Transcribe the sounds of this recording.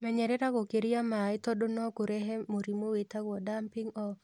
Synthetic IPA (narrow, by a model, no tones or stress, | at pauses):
mɛɲɛɾɛɾakɔkeɾijamaɪt̪ɔdonɔkoɾɛɦɛmoɾimowet̪aɡɔdampiŋɔ